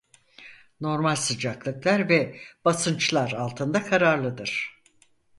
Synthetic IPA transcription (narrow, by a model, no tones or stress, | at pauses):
no̞ɾmalʲsɯd͡ʒaklˠɯklˠaɾvɛb̥asɯnt͡ʃlˠaɾalˠt̪ʰɯnd̪akʰaɾaɾlˠɯd̪ɯɾ̝̥